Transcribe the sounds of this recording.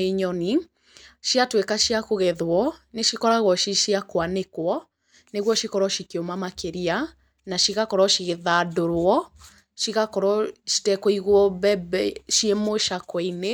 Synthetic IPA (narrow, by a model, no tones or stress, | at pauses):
eɲɔni | ʃiatwekaʃiakoɣɛðwɔneʃikɔɾaɣwɔʃiʃiakwanekwɔ | neɣwɔʃikɔɾɔʃikeomamakeɾia | naʃiɣakɔɾɔʃiɣeðadoɾwɔ | ʃiɣakɔɾɔʃi̥tɛkoiɣwɔbɛbɛʃiemoʃakɔine